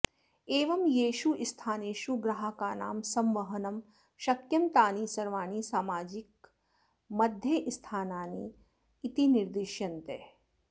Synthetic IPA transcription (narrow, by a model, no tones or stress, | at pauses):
eːʋɐmjeːʃuʔist̪ʰaːneːʃuɡɾɐɦɐkaːna̰ːmsɐmʋɐɦɐnɐm | ʃɐkjɐmt̪aːniːsɐɾʋaːniːsaːmaːd͡ʒɪk̚ | mɐd̪ʱjeʔst̪ʰaːnaːnḭː | t̪iniɾd̪iʃjɐnt̪eː